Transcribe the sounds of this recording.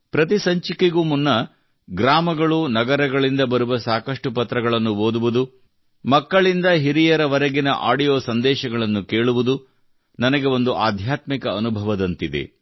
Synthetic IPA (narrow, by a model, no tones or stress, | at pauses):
pɾɐt̪isɐɲt͡ʃikeɡuːmunːɐ | ɡɾaːmɐɡɐɭunɐɡɐɾɐɡɐɭind̪ɐbɐɾuʋɐsaːkɐʂʈupɐt̪ɾɐɡɐɭɐnːuɦoːd̪uʋud̪u | mɐkːɐɭind̪ɐɦiɾijɐɾɐʋɐɾɐɡinɐ̰ʔa̰ːɖijoːsɐnd̪ɛːʃɐɡɐɭɐnːuke̞ːɭuʋud̪u | nɐnɐɡe̞o̞nd̪uʔaːd̪ʱjaːt̪mikɐːnubʱɐʋɐd̪ɐnt̪id̪e̞̰